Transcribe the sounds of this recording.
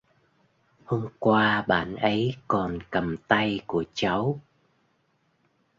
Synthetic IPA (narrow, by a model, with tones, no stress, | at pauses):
ho˧mkwaː˧ɓa̰ː˧˨nʔə˨˦jkɔ˨˩nkə˨˩mt̪a˧jku˧˩ət͡ɕa˨˦w